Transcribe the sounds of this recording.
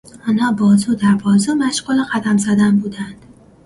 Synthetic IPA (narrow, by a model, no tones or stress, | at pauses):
ɒːnhɒːbɒːzuːd̪æɾbɒːzuːmæʃɡuːleɢæd̪æmzæd̪ænbuːd̪ænd̪̥